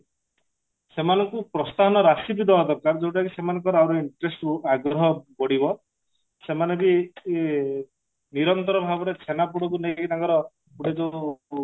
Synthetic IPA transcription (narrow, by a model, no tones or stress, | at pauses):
semanɔŋkupɾɔst̪aɦɔnɔɾasid̪id̪ɔd̪ɔɾkaɾd͡ʒewʈ̬akisemanɔ̃ŋkɔɾawɾɔiɳʈɾesʈuaɡɾɔɦɔbɔɽibɔ | semanɔŋki | niɾɔnt̪ɔɾɔbʱabɔɾet͡ʃʰenapuɽɔkunekit̪aŋkɔɾɔ | puɽed͡ʒo